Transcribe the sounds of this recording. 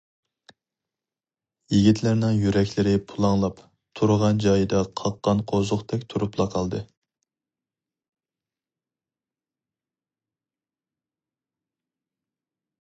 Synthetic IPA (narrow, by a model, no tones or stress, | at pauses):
jiɡʲit̪ʰlɪɾnɪŋjyɾɛkʲlɪɾɪpʰulˠɑŋlˠɑp | t̪ʰuɾʁɑnd͡ʒɑjɨd̪ɑqʰɑqːɑnqʰozʊqt̪ʰɛkʲt̪ʰuɾuplˠɑqʰɑlˠd̪ɨ